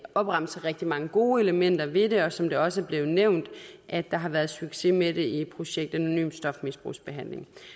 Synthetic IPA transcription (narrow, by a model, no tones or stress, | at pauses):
ɒ̽b̥ʁɑ̈m̰səʁɛɡ̥̚d̥imɑ̈ŋəɡ̥o̝ːe̝ləmen̰d̥ɐʋe̝ɾe̝ɒ̽sɒ̽md̥e̝ɒ̽səæɐb̥le̝ːʊneʊ̰nd̥ʔæ̥ːɑ̈ɦɑ̈ʋæɐð̩ˠsyɡ̥se̝mede̝ie̝d̥̚pʰʁo̝ɕeɡ̥̚d̥æno̝ny̰ːmsd̥ɒ̽fmisb̥ʁṵːsb̥e̝ɦæn̰le̝ŋ